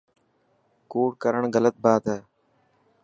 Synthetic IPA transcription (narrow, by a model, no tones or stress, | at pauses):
koːʈkəɾəɳɡələt̪̚baːt̪ɦɛː